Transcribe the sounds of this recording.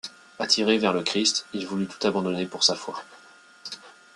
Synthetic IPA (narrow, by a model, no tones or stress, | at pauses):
at̪ʰiʁevɛʁləkχist̪ilvulyt̪u̥t̪abɑ̃d̪ɔnepuʁsafwa